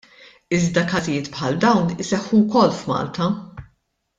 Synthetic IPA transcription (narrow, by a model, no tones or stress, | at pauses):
ɪzd̪ɐkɐzɪjɪːt̪pħɐld̪ɐwnɪsɛħːukɔlːfmɐ̰ːlt̪ɐ